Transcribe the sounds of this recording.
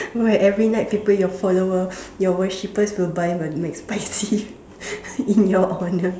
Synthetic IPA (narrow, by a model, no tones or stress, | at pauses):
wɛʔɛvɹinaɪt̚fipejɔfɔlowəjɔwəʃipəswilbajməmɛkspaɪsi | ĩnjɔʔɔnə